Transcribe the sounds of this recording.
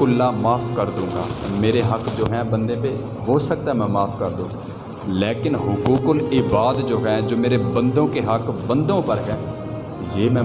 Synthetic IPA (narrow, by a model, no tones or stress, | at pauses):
ʊlːaːmaːpʰkəɾd̪ũːɡa̰ːmeːɾeːɦəkd͡ʒoːɦɛ̃ːbənd̪ẽːpeː | ɦoːsək̚t̪aɛmɛ̃ːmaːpʰkəɾd̪õːɡ | leːkɪnɦʊkuːkʊlɪbaːd̪d͡ʒoːɦɛ̃ːd͡ʒoːmeːɾeːbə̃nd̪õːkeːɦəkbənd̪õːpəɾɦɛː | jeːmɛ̃ː